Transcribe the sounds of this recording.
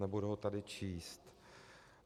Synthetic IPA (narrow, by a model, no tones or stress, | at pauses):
nɛbudɛɦot̪adɪt͡ʃiːst̪